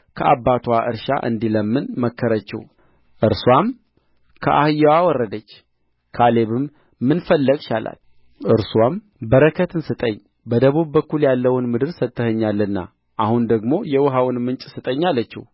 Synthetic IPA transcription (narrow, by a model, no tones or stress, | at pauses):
kʰəʔabat̪ʰwaʔɨ̰ɾʃa̰ʔɨ̰nd̪iləmːɨnməkʰːəɾət͡ʃːɛ̰w | ʔɨɾswam | kʰə̰ʔa̰hɨjːawawɔrːəd̪ət͡ʃː | kʰale̞βɨmː | ɨnfəlːəɡʃala̰l | ʔɨɾswam | bəɾəkʰət̪ɨnsɨt̪ʼəɲː | bəd̪əβuβːəkːuljalːəwʊnmɨd̪ɨɾsət̪ːəhəɲːalːɨnːa̰ | ʔahund̪əɡmo̞jɛwʊɦawɨnmɨnt͡ʃʼsɨt̪ʼəɲːalːət͡ʃːɛ̰w